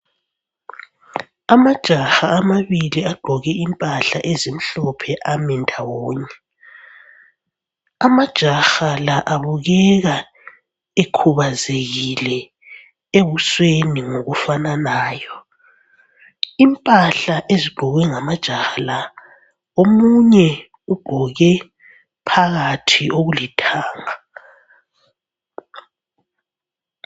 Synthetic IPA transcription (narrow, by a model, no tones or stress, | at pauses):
amad̥ʒ̥ʱaxaːmaβiliaɡ͡ǃ̥ʱɔɣɛimpʼaɬa̰ʔezim̩ɬɔpʰɛʔamɛndʱawɔːɲɛ | amad̥ʒ̥ʱaxalaʔaβuɣɛɣa | ekʰuβazeɣilɛ | eβusweniŋoɣufananaːjɔ | impʼaɬaʔeziɡ͡ǃ̥ʱɔɣɛŋamad̥ʒ̥ʱaxala | omuɲɛ | uɡ͡ǃ̥ʱɔɣɛ | pʰaɣatʰiʔoɣulitʰaːŋa